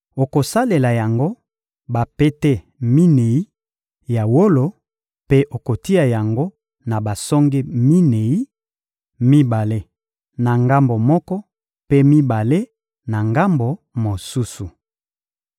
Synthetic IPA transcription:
o˨ko˨sa˦le˨la˨ja˨ŋɡo˦ | ba˨pe˦te˦ | mi˦ne˨i˦ | ja˨wo˦lo˨ | pe˦ʔo˨ko˨ti˦a˨ja˨ŋɡo˦ | na˨ba˨sɔ˦ŋɡe˦mi˦ne˨i˦ | mi˦ba˨le˦ | na˨ŋɡa˦mbo˨mɔ˦kɔ˦ | pe˦mi˦ba˨le˦ | na˨ŋɡa˦mbo˨ | mo˨su˦su˨

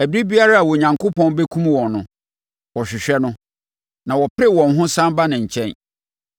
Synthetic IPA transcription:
æ˨bɾi˦bi˦a˦ɾa˦a˨wɔ˨ɲã˨ŋkʰo˦pʰɔ̃˦n˦be˦kʰũ˦m˦wɔ̃˨nnːʊ̃˨ | wɔ˨ɕᶣɪ˨ɕᶣɛ˦nʊ̃˦ | nã˨wɔ˨pʰɪ˦ɾɛ˦wɔ̃˨nɦʊ̃˦sã˦mba˦nɪ̃˨ɲ̩˨t͡ɕʰɛ̃˦n

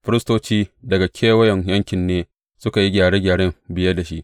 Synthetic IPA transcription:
ɸɪ˦ɾɪ˦stoː˦t͡ʃiː˦dɐ˨ɡa˨kʲʰeː˦wɐ˦jɛ˨ɲjɐ˦ŋkʲɪ˨nːeː˦ | sʊ˦ka˨ji˦ɡʲaː˨ɽeː˦ɡʲaː˨ɽe˦mbɪ˨jɐ˦da˨ʃi˦ʔ

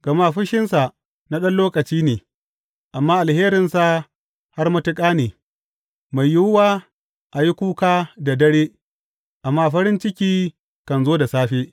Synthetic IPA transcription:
ɡ̥ɐ˨ma˦˨ɸʊ˦ʃɪ˦nsa˨ | na˦ɗɐ˦nloː˦kʼɐ˨t͡ʃiː˦neː˨ | ʔa˨mːaː˦ʔa˨lheː˦ɾɪ˨nsa˨ | ha˦rmɐ˦tɪ˦kʼaː˦neː˨ | ma˨jjʊ˦wʊ˦waː˦ | ʔa˨ji˦kʷuː˦kaː˦da˨dɐ˦ɽeː˦ | ʔa˨mːaː˦˨ɸɐ˦ɾɪ˦nt͡ʃɪ˦kʲiː˦ | kɐ˨nzoː˦da˨saː˦ɸeː˦

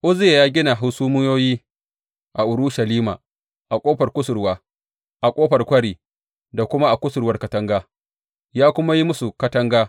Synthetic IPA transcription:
ʔʊ˦zɪ˦je˨jaː˦ɡʲɪ˦na˨ɦʊ˦suː˦mʊ˦joː˦jiː˦ | ʔa˨ʔʊ˨ɾʊ˦ʃa˨liː˦ma̰ː˨ | ʔa˨kʷʼoː˦ɸɐ˨rkʷʊ˦sʊ˨ɾwaː˦ | ʔa˨kʷʼoː˦ɸɐ˨rkʷɐ˦ɽiː˨ | da˨kʷʊ˦ma˦ʔa˨kʷʊ˦sʊ˨rwɐ˦rkɐ˨˦tɐ˦ŋɡaː˦ | jaː˦kʷʊ˦ma˦ji˦mʊ˦su˨kɐ˦tɐ˦ŋɡaː˦

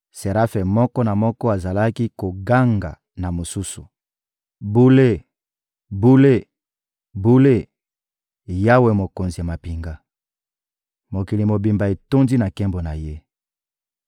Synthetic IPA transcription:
se˨ɾa˦fɛ˨mɔ˦kɔ˦na˨mɔ˦kɔ˦a˨za˨la˦ki˦ko˨ɡa˦ŋɡa̰˨ | na˨mo˨su˦su˨ | bu˦le˦˨ | bu˦le˦ | bu˦le˦ | ja˦we˨mo˨ko˨nzi˨ja˨ma˨pi˨ŋɡa˦ | mo˨ki˨li˨mo˨bi˨mba˨e˨to˦ndi˦na˨kɛ˦mbo˨na˨je˦

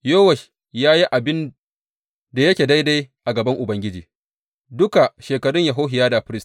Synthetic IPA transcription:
joː˦wɐ˨ʃ | jaː˦ji˦ʔa˨bɪ˦n | da˨jɐ˦kʲeː˨da˦jda˦jʔa˨ɡɐ˨bɐ˦ŋʔʊ˨bɐ˦ŋɡʲɪ˦d͡ʒḭː˨ | dʊ˦ka˨ʃeː˨kɐ˨ɽʊ˦ɲja˨ɦoː˦ɦɪ˨jaː˦da˨ɸɪ˦ɾɪ˦st

